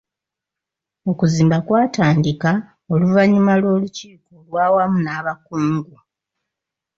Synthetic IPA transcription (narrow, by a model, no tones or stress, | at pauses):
o̞kuziːmbakwaːtaːndika | o̞luvaɲumalwo̞ːluciːko̞lwaːwamunaːβakuːŋɡu